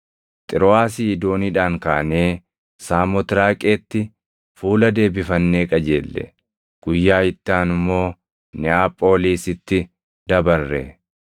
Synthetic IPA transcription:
t̪ʼɪɾɔaːsiːɪd̪o̞ːniːᶑaːŋkaːɐneː | saːmɔt̪ɪɾaːkʼe̞ːt̪ːɪ | fuːlɐd̪e̞ːbɪfɐnːe̞ːkʼɐd͡ʒeːlːɛ̰ | ɡ̥ʊjːaːɪt̪ːaːnɪmːo̞ː | nɪaːpʼːo̞ːliːsɪt̪ːɪ | d̪ɐbɐrːɛ̰

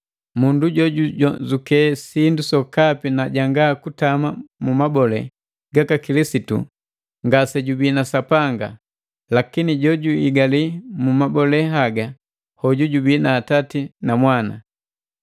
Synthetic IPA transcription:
munduɟɔɟuɟɔzukɛsindusɔkapinaɟaŋɡakutamamumabɔlɛ̰ | ɡakakilisitṵ | ŋɡasɛɟubiːnasapaŋɡa | lakiniɟɔɟuiɡalimumabɔlɛɦaɡa | hɔɟuɟubiːnaːtatinamwana̰

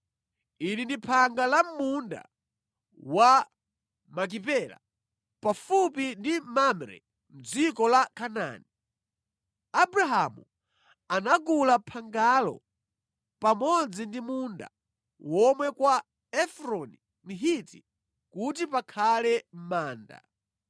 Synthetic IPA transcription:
inindipʰaŋɡalam̩munda̰ | wa | mak̬ipɛla̰ | pafupindimamɾɛ̰ | m̩d͡zikɔlakʰana̰ːni | abɾaɦamṵ | anaɡulapʰaŋɡalɔ̰ | pamɔd͡zindimunda̰ | wɔmwɛkwa | ɛfɾɔni | miɦiti | kut̬ipakʰalɛm̩maːnda̰

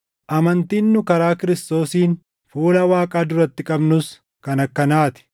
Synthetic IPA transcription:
ʔɐmɐnt̪iːnːʊkɐɾaːkɪɾɪst̪o̞ːsiːn | fuːlɐwaːkʼaːd̪ʊɾɐt̪ːɪkʼɐbnʊs | kɐnɐkːɐnaːt̪ɪ̥

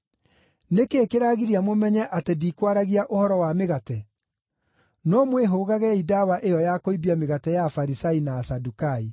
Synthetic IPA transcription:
nekeːkeɾaɣiɾiamomɛɲɛʔatediːkwaɾaɣiaʔohɔɾɔwameɣatɛ | nɔmweɦoːɣaɣɛidawaʔejɔjakoibiameɣatɛjafaɾisainaːsadukai

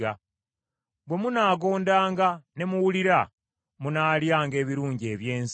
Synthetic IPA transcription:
a | bwe̞munaːɡo̞ːndaːŋɡane̞muwuliɾa | munaːljaːŋɡe̞ːβiɾuːɲɟie̞ːβje̞ːns

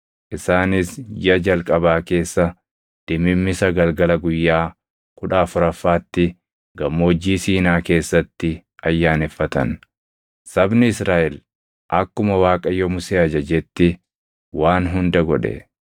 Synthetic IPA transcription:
ʔɪsaːnɪsjɐd͡ʒɐlkʼɐbaːke̞ːsːɐ | d̪̥ɪmɪmːɪsɐɡɐlɡɐlɐɡʊjːaː | kʊᶑaːfʊɾɐfːaːt̪ːɪ | ɡɐmːoːd͡ʒːiːsiːnaːke̞ːsːɐt̪ːɪ | ɐjːaːnɛfːɐt̪ɐ̰n | sɐbnɪɪsɾaːʔɛl | ʔɐkːʊmɐwaːkʼɐjɔmʊseːɐd͡ʒɐd͡ʒɛt̪ːɪ | waːnɦʊnd̪ɐɡɔᶑɛ̰

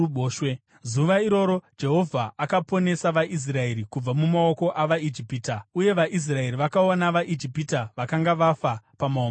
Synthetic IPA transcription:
oːʃwe | zuʋaiɾo̞ɾo̞d͡ʒe̞ɦo̞vʱaʔːkapo̞ne̞saʋaʔis̬rae̞ɾikub͡vamumao̞ko̞ʔaʋaid͡ʒipiːtauje̞ʋaʔis̬rae̞ɾiʋakaonaʋaʔid͡ʒipitaʋakaŋɡaʋafapamaom

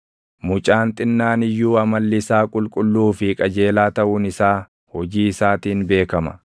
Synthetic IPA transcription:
mʊt͡ʃʼaːnt̪ʼɪnːaːnɪjːuːɐmɐlːɪsaːkʼʊlkʼʊlːuːfɪkʼɐd͡ʒe̞ːlaːt̪ɐʔʊnɪsaː | hɔd͡ʒiːɪsaːt̪iːnbe̞ːkɐmɐ̰

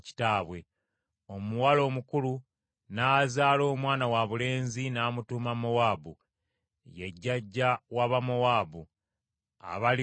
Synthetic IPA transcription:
ci̥taːβwe̞ | o̞muwalo̞ːmukulu | naːzaːlo̞ːmwaːnawaβule̞ːnzinaːmutuːmamowaːbṵ | je̞ɟːaɟːawaβamowaːbu | a̰βali

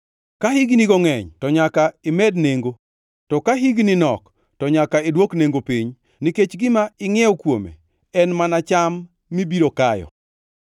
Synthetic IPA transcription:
kahiɡniɡɔŋɛɲtɔɲakaɪmɛdneŋɡo | tɔkaɦiɡninɔk | tɔɲakaedwokneŋɡopiɲ | niket͡ʃɡɪmaɪŋɛɔkwo̰mḛ | ɛnmanat͡ʃamː | ibiɾokajɔ̰

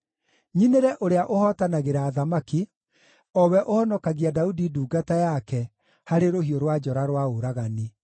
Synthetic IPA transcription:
ɲineɾɛʔoɾeaʔohɔtanaɣeɾaːðamaki | ɔwɛʔohɔnɔkaɣiadaudiduːɡatajakɛ | haɾeɾohioɾwad͡ʒɔɾaɾwaoɾaɣani

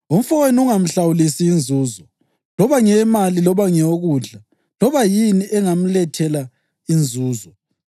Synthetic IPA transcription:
um̩fɔwenuŋam̩ɬawulisiːnd͡zʱuːzɔ | lɔβaŋɛmalilɔβaŋɛoɣuːɮa | lɔβajiniʔɛŋam̩lɛtʰɛla | ind͡zʱuːzɔ

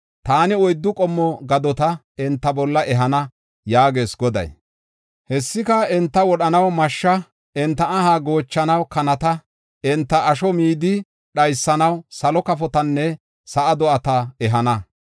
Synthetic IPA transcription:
t̪aːnɪɔjd̪ːʊkʼɔmːɔɡɐd̪ɔt̪ɐ | ɛnt̪ːɐbɔlːɐʔɛɦɐnɐ | jaːɡe̞ːsɡɔd̪ɐ̰j | hɛsːɪkɐɛnt̪ːɐwɔɗɐnɐwmɐʃːɐ | ɛnt̪ːɐɐɦaɡo̞ːt͡ʃːɐnɐwkɐnɐt̪ɐ | ɛnt̪ːɐːʃɔmiːd̪ɪ | ɗɐjsːɐnɐwsɐlɔkɐfɔt̪ɐnːɛ | sɐʔɐd̪ɔʔɐt̪ɐɛɦɐnɐ

